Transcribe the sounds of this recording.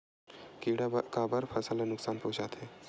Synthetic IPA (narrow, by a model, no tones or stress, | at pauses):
kiːɽakaːbɐɾpʰɐsəlanʊksaːnpõːt͡ʃaːt̪ʰeː